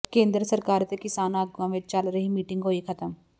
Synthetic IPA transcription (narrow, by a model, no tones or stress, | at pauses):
kẽːnd̪ɾəsɐɾkaːɾt̪ekɪsaːnaːɡɐ̃ːʋet͡ʃalɾɐɦimiːʈɪ̃ŋɡɦoːikʰɐt̪əm